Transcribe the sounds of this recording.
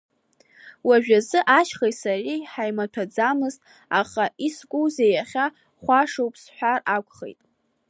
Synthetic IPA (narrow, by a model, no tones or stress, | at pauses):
waʒᶣazɨʔaʃχejtʼsariħajmatʰad͡zamɨztʼ | aχaʔisɡʷʼuwze̞jaχʲa | χʷaʂowpʰʼsħʷᶣarakʷʰʼχḛjtʼ